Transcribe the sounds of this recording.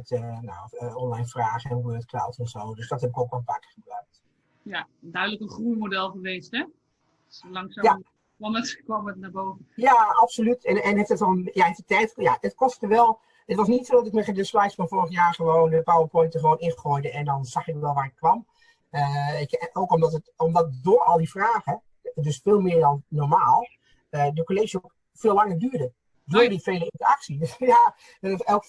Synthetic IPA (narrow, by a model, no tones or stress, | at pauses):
təna̰wəɔnlajnfraːχəɛnuʋədətkla̰lˠtnɔfsowdøsdɔtɦɛpɪkowkʋɔlˠfaːkə̥χəbrœɥk̚t | jadœɥdələkənχruəmodɛlˠχəʋeːstɛ | lɑŋsaja | ɔməəkɔmətnaboːvəjaapsolytɛɛnɛfətʋɔlˠəjaɛtətɛjtjadɪtkɔstətəʋɛlˠ | ətʋɑsnitsodɑtɪk̚mɛədəspɛjsfɔnfʊːɹəχjaːɹχəʋoːnəbəpaːlˠdəpɔjntəχəʋoːnɪnχɔjdəɛndɔnz̥ɑxɪk̚əʋɛlˠʋaːrɪt̚kʋɑm | əɪkowkɔmdɔtətɔmdɔt̚doːɹɔlˠdifraːɣə | døsfɪːlˠmɪədɔnnɔɹmaːlˠ | ədəkoleʒəok | fɪːlaŋərdyːdə | doːdifejləɪntəraksija | ɛlˠk